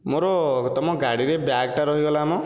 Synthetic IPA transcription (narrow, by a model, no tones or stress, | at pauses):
moɾɔt̪ɔmɔɡaɽiɾebjaɡʈaɾɔɦiɡɔlamɔ